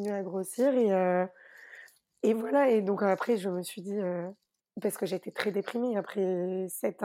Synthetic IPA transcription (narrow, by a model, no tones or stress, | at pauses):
nyaɡʁosiʁeø | evwalaed̪ɔ̃kapχɛʒəməsɥid̪iø | paʁsə̥kəʒeːt̪et̪χɛd̪epχimeapχɛsɛt̪